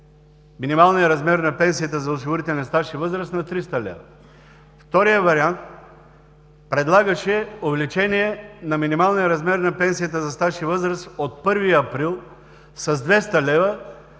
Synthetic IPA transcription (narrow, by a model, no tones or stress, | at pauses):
minimalˠnijəɾɐzmɛɾnɐpɛnsijət̪əzɐoʃ̬ivoɾit̪ɛlʲnɐst̪aʃivɤzɾəsnɐt̪ɾist̪ɐlɛ̰və | ft̪ɔɾijəvɐɾiant̪̚ | pɾɛd̪lˠaɡəʃɛovɛlit͡ʃɛniɛnɐminimalˠnijəɾɐzmɛɾnɐpɛnsijət̪əzɐst̪aʃivɤzɾəsot̪̚pɤɾviɐpɾilˠ | sɐzd̪vɛst̪ɐlɛvə